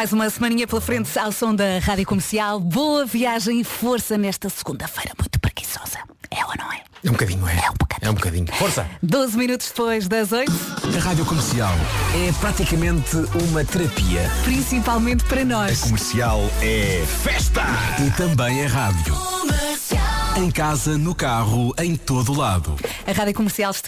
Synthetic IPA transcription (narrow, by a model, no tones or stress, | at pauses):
majzumɐsmɐ̃niɲɐplˠɐfɾẽnt̪sawsõw̃d̪ɐʁaðjukumɨɾsialˠboɐviaʒɐ̃j̃ifoɾsɐnɛʃt̪ɐsɨɣũnd̪ɐfɐjɾɐmũj̃t̪u̥pɾɨɣi̥sɔz̥ɐ̥ | ɛ̰ɐnɐ̃w̃ɛ | ɛũbkɐðiɲuɛ̰ɛũbukɐɛ̰ũbukɐðḭɲufoɾsɐ̰d̪ozminut̪u̥ʒ̥d̪ɨpojʒðɐzojt̪uɐʁaðjukumɨɾsialˠɛpɾat̪ikɐmẽnt̪ɨumɐt̪ɨɾɐpiɐpɾĩsipalˠmẽnt̪̚pɐɾɐnɔɐʃkumɨɾsialˠɛfɛʃt̪ɐit̪ɐ̃mbɐ̃j̃ɐʁaðjṵsˠɐ̃j̃kazɐnukaʁuɐ̃j̃t̪oðulˠaðṵɐʁaðjukumɨɾsialˠʃt̪